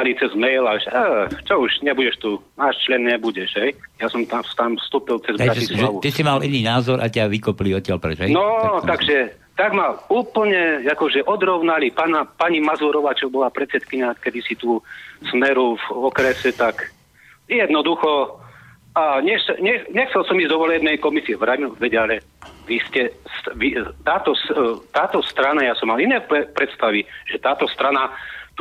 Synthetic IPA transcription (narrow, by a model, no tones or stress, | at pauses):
alit͡sɛzmɛjlaʃat͡ʃɔuʒɲɛbuɟɛʃt̪uːnaːʃt͡ʃlɛnɲɛbuɟɛʃɦɛjjasɔmt̪afst̪amfst̪uːpilt͡sɛzbd̪aɾaislʒɛaʋut̪isimalʔiniːnaːzɔɾʔataʋikɔpiliɔt̪̚cɪalpɾɛt͡ʃɦɛjnɔt̪aɡʒɛ | t̪aɡmauːpl̩ɲɛakɔʒɛʔɔd̪ɾɔʊnalipanapaɲimazuːɾɔʋaːt͡ʃɔbɔlapɾɛt̪t͡sɛt̪kiɲakɛd̪isit̪uːsmɛɾuvɔkɾɛsɛt̪ak | jɛd̪nɔd̪uxɔ | aɲɛxsɛɲɛɲɛxt͡sɛlsɔmizd̪ɔʋɔlɛbnɛjkɔmisiɛʋɾauʋɛɟalɛ | ʋiscɛsʋit̪aːt̪ɔst̪aːt̪ɔst̪ɾanajasɔmːalinɛːpɛpɾɛt̪st̪aʋiʒ̥ɛt̪aːt̪ɔst̪ɾanat̪u